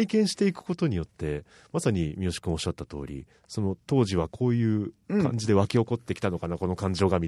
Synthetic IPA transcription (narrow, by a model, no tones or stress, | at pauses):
ikẽ̞ɰ̃ɕi̥t̪e̞ikɯ̟̥ko̞t̪o̞ɲ̟ijo̞t̪ːe̞ | masaɲ̟imʲio̞ɕi̥kɯ̟̃oɕat̪ːat̪o̞̰ːɾʲḭ | so̞no̞t̪o̞ːʑiβakʰo̞ːjɯ̟ːkã̰ɲ̟d͡ʑid̪e̞β̞akʲio̞ko̞t̪ːe̞kʲi̥t̪ano̞kanako̞no̞kãɲ̟d͡ʑo̞ːɡamʲi